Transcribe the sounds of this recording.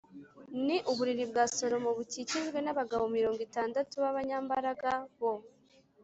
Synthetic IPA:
niʔuβuɾiɾibɡaːso̞ɾo̞mo̞βuciciʒɡwe̞naβaɡaβomiɾo̞ːŋɡitaːndatuβaβaɲaːmbaɾaɡaβo̞

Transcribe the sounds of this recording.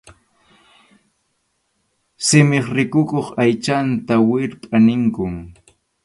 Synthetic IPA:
sɪmɪχɾɪkʊkoχajt͡ʃant̪awɪɾpʼanɪŋkʊŋ

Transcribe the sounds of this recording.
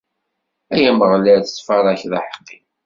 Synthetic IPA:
æjæməʁləɾθt͡sːfɑɾˤɑçðɑħə̥qːi

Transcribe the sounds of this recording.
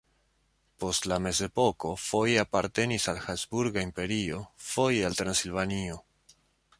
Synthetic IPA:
po̞stlame̞ze̞po̞ko̞fo̞japaɾt̪e̞nisalxazbuɾɡaimpe̞ɾio̞fo̞jalt̪ɾansilvanio

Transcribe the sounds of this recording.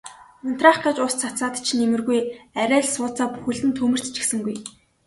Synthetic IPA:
man̥t̪raχkʰat͡ɕʊst͡sʰat͡saːt̪t͡ɕʰnemɘ̆rɣujæɾʲæːɮsʊːt͡saːpu̥xɘ̆ɮt̪ɘ̆nt̪ʰɵmɵ̆r̥t̪t͡ɕĭ̥xsɘ̆ŋɡuj

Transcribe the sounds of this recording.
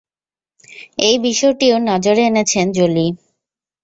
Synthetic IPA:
ejbiʃɔeʈionɔd͡ʑoɾeenet͡ɕʰend͡ʑoli

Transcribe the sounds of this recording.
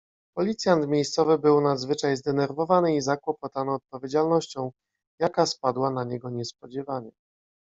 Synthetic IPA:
pɔlʲit̪sʲjant̪mʲjejst̪sɔvɘbɘwnazvɘt͡ʂajzd̪ɛnɛɾvɔvanɘizakwɔpɔt̪anɔːt̪̚pɔvʲjed͡ʑalnɔɕt͡ɕɔ̃w̃ | jakaspad̪wanaɲɛɡɔɲɛspɔd͡ʑɛvaɲɛ

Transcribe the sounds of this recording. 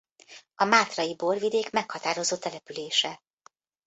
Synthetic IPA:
ɒmaːt̪rɒjibo̞rvid̪eːkmɛkhɒt̪aːɾo̞zoːt̪ɛlɛpyleːʃɛ

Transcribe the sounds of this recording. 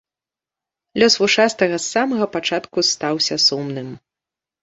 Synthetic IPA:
lʲɔsvuʂast̪ɐɣɐsːamɐɣɐpat͡ʂat̪kust̪awsʲɐsumnɨm

